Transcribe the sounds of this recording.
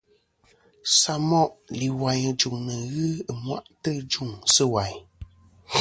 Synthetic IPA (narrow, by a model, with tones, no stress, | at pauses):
sa˨˦mɔ˦ʔli˨wa˨ɲ˨d͡ʒu˨ŋnə˨ɣɨ˦ə˨mwa̰˦˨ʔtə˦d͡ʒu˦˨ŋsə˦wa˨ɲ˨